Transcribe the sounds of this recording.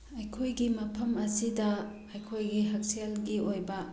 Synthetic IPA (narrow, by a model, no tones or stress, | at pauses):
ɐjkʰojɡimɐpʰɐmɐsidɐ | ɐjkʰojɡiɦɐk̚selɡiojbɐ